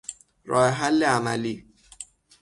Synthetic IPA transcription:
ɾɔɛɦalɪanali

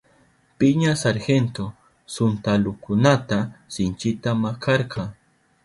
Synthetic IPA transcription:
pɪɲasaɾxent̪o | sʊnt̪alʊkʊnat̪asɪnt͡ʃɪt̪amakʰɑɾqɑŋ

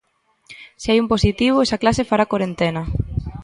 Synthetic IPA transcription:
siajumposit̪iβ̞oesaklasefaɾakwaɾent̪enɐ

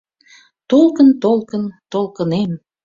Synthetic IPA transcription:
t̪olkənt̪olˠkənt̪olkənem

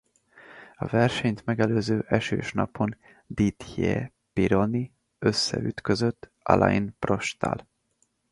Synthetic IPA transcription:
ɒvɛrʃɛɲt̪mɛɡɛløːzøːʔɛʃø̰ːʃnɒ̰pʰo̞n | d̪it̪je | piɾoni | øsːɛyt̪kø̞zøt̪ː | ɒ̰lʔɑ̰jinpro̞ʃt̪a̰l

